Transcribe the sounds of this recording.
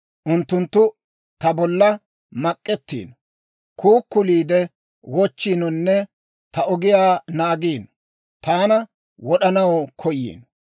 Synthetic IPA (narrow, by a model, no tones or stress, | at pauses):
ʔʊnt̪ːʊnt̪ːʊ | t̪ɐbɔlːɐ | mɐkʼːɛt̪ːḭːn | kʰuːkːʊliːd̪ɛ | wɔt͡ʃːiːnɔnːɛ | t̪ɐʔɔɡɪjaːnaːɡiːn | t̪aːnɐ | wɔɗɐnɐwɔkʰɔjːḭːn